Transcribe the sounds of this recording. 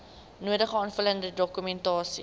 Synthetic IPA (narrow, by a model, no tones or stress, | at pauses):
nuədəχəɑːnfələndədɔkymentɑːsi